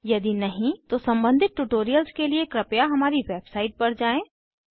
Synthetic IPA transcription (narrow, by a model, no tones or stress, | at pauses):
jɐd̪inɐɦĩt̪osɐ̃mbə̃nd̪ʱɪt̪̚ʈuːʈoːɾijəlskeliekɾɐpjaɦɐmaːɾiʋeːbsaːɪʈ̚pɐɾd͡ʒaːẽː